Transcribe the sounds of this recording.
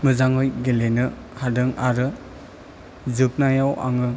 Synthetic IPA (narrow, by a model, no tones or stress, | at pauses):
mɯzaŋɯjɡelenɯ | hadɯŋaɾɯ | zɯp̚najawa̰ŋɯ